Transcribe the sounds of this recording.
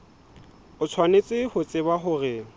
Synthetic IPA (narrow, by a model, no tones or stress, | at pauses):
ʊt͡sʰwanet͡sʼɪhʊt͡sʼɪbaɦʊrɪ